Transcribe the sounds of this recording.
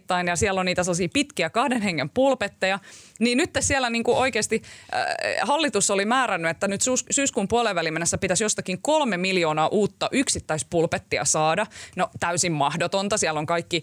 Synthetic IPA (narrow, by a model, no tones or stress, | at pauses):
t̪ːɑinjɑsiɛlːoniːt̪æselːɑsiːpit̪kiækɑhdenheŋːempulpet̪ːejɑniːnnyt̪ːessiælːˑæniːŋkuʔoikeːst̪ḭ | hɑlːit̪usːolimæːɾænːyet̪ːænyt̪suːssyːskuːmpuoleʋːælimenːesːæpit̪æsjost̪ɑkiŋkolmemiljoːnɑːʔuːt̪ːɑʔyksit̪ːæispulpet̪ːiɑ̰sɑːdɑnot̪æysimmɑhdot̪ont̪ɑsiælːoŋkɑikːi